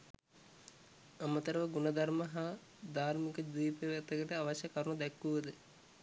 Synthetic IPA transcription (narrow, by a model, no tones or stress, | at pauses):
amət̪əɾəʋəɡunɐd̪ʱaɾməɦa | d̪aːɾmikəd͡ʒiːpeʋat̪əkəʈəaʋaɕɐkaɾuɳud̪ɛkːuʋəd̪ə